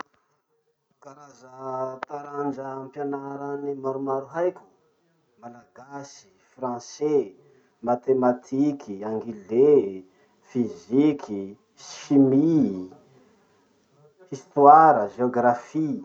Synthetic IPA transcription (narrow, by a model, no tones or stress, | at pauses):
kaɾazət̪aɾand͡ʒəmpjanaɾanimaɾumaɾuɦajkʲu̥ | malaɡasi̥ | frɑ̃se | mat̪emat̪ʰikʰiãŋɡile | fizikʰi | ʃimi | ist̪waɾəʒeoɡɾafi